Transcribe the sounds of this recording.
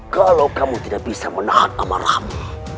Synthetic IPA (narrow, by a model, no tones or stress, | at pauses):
kalawkamut̪idak̚b̥isamənahana̰ma̰ɾa̰hmu